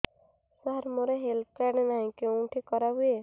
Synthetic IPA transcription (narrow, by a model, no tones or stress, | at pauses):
saɾmoɾeɦelt̪̚ʰkaɽenaɦĩkeʈʰikɔɾaɦuje